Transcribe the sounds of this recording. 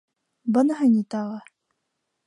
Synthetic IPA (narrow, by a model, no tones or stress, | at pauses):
bɤnɤɦɤnʲit̪ɑʁɤ